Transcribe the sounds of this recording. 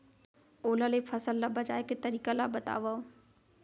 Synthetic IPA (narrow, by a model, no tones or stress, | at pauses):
oːlalepʰɐsəlːabəd͡ʒaːeket̪əɾiːkalabət̪a̰ːʋao